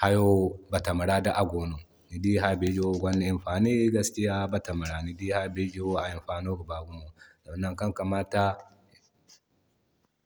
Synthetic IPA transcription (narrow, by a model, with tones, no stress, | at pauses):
ha˦jo˦ba˨ta˨ma˨ɾa˦da˦ʔa˨ɡoː˨no˨ | ni˨di˦ɦa˦be˦d͡ʒo˦ɡʷa˦nːe˦˨ɪ˨ɸaː˨ni˦ɡa˦ski˦ja˦ba˨ta˨ma˨ɾa˨ni˨di˦ha˦be˦d͡ʒe˦wa˨ɪ˨mɸaː˨no˦ɡba˨ɡu˦mo˨da˨˦nːa˦ŋka˦ŋka˨maː˦ta˦